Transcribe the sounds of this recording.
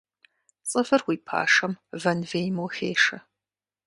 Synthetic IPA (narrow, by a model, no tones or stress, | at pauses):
t͡sʼɨfɨrwiːpʰa̰ːʂɐmvɐnveːjmuːxeːʂɐ